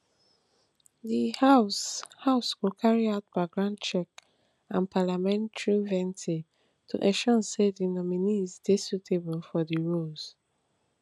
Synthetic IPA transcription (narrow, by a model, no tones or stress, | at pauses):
dihashaʊsɡokʰaɹiaʊt̚b̥aɪɡɹãndt͡ʃɛk | ãnpʰalamɛ̃ntʰɹivɛ̃ntʰe | tʰṵʔɛʃɔ̃nsedinɔminizdesutʰebəlfɔdiɹoz̥